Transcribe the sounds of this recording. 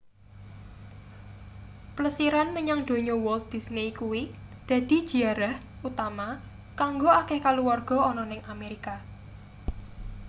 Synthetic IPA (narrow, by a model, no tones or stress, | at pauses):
pləsiɾanməɲaŋd̪̥o̤ɲɔwɔlt̪̚d̪̥isnejkuwi | d̪̥a̤d̪̥i̤̥d͡ʒ̥i̤aɾah | ut̪ama | kaŋɡoakekaluwarɡ̥ɔ̤ɔnɔnɪŋameɾika